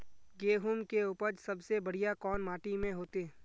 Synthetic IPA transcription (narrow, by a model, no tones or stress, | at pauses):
ɡeːɦumkeuːpəɾsɐbsebɐɽ̤ijakɔːnmaːʈimẽɦoːt̪e